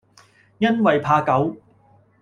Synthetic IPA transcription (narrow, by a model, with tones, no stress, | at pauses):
jɐ˥nwɐ˨jpʰaː˧kɐ˨˥w